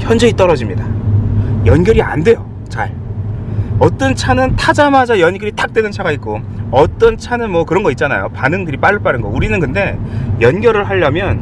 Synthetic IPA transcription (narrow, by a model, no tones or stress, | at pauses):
çjʌnd͡ʑʌit͈ʌɾʌd͡ʑimɲida | jʌnɡjʌɾia̰nde̞jo | t͡ɕa̰ɭ | ʌt͈ʌnt͡ɕʰanɯntʰad͡ʑamad͡ʑajʌnɡjʌɾit͈ʰak̚t͈wenɯnt͡ɕʰaɡaik̚k͈o | ʌt͈ʌnt͡ɕʰanɯnmwʌkɯɾʌnɡʌit̚t͡ɕ͈ana̰jo̰panɯŋdɯɾip͈aɾɯɭp͈aɾɯnɡʌuɾinɯnkɯnde̞jʌnɡʲjʌɾɯɭɦaʎːʌmjʌn